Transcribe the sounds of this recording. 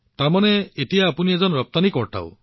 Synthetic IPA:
t̪amaneet̪ijaːpunied͡ʒɔnɔɾɔp̚t̪anikɔɾʈa̰w

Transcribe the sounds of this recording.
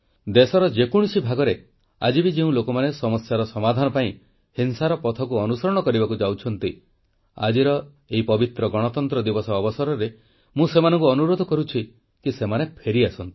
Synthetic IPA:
d̪esɔɾɔd͡ʒekuɽ̃sibʱaɡɔɾe | a̰d͡ʒibid͡ʒeũlokɔmanesɔmɔsjaɾɔsɔmad̪ʱanɔpaĩ | hinsaɾɔpɔt̪ʰɔkuɔnusɔɾɔɽ̃ɔkɔɾibakud͡ʒawt͡ʃʰɔnt̪i | a̰d͡ʒiɾɔ | eipɔbit̪ɾɔɡɔɽ̃ɔt̪ɔnt̪ɾɔd̪ibɔsɔːbɔsɔɾɔɾe | mũsemanɔ̃ŋkuɔnuɾod̪ʱɔkɔɾut͡ʃʰi | kisemanepʰeɾiasɔnt̪i̥

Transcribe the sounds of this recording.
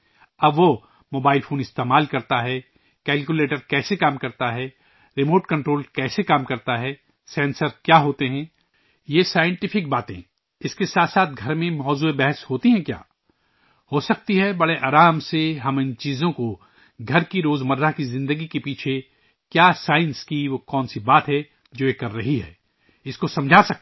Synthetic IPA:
ɐbʋo | moːbaːɪlfʰoːnɪst̪eːmaːlkɐɾt̪aɦɛ | kɛːlkuleːʈəɾkɛːsekaːmkɐɾt̪aɦɛ | ɾɪmoːʈkɐ̃ɳʈɾoːlkɛːsekaːmkɐɾt̪aɦɛː | sɛ̃ːnsəɾkjaːɦoːt̪eɦɛ̃ː | jesaːjə̃ɳʈɪfɪk̚baːt̪ḛ̃ | ɪskesaːt̪saːt̪̚ʰɡʱɐɾmẽmɔːzuːebɛɦəshoːt̪iɦɛ̃kja̰ː | hosɐk̚t̪iɦɛbɐɽeʔaːɾaːmseɦɐmɪ̃nt͡ʃiːzõko | ɡʱɐɾkiɾoːzmɐɾːakizɪ̃nd̪əɡikepiːt͡ʃʰe | kjaːsaːɪ̃nskiʋokɔːnsibaːt̪ɦɛ | d͡ʒoːjekɐɾːɐɦiɦɛ̰ː | ɪskosɐ̃md͡ʒʱaːsɐk̪̚

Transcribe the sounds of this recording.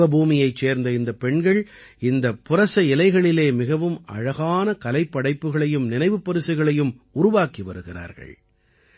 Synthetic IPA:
ɐbʱuːmɪjɐɪt͡ʃːeːɾnd̪ɐɪnd̪ɐpːɛɳɡɐɭ | ɪnd̪ɐpːʊɾɐsɐɪlɐɪɣɐɭɪleːmɪɣɐʋɯmɐ̰ɻɐɣaːnɐkɐlɐɪpːɐɽɐɪpːɯɣɐɭɐjɯmnɪnɐɪʋɯpːɐɾɯsɐɪɣɐɭɐjɯm | ʊɾʊʋaːkiʋɐ̰ɾɯɣɪra̰ːɾɣɐ̰ɭ

